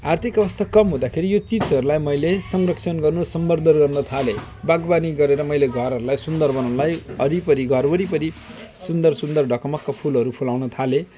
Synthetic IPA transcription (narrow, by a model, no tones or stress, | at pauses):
art̪ʰikʌbʌst̪ʰakʌmɦũd̪akʰeɾijot͡sit͡sʌɾulajmʌjlesʌŋrʌksʰʌnɡʌrnusʌmbʌrd̪ʱʌnɡʌrnʌt̪ʰale | baɡbaniɡʌɾeɾʌmʌjleɡʱʌɾɦʌɾulajsund̪ʌrbʌnanlajʌɾipʌɾiɡʱʌrbʌɾipʌɾi | sund̪ʌrsund̪ʌrɖʱʌkʌmʌkːapʰulɦʌɾupʰulawnʌt̪ʰale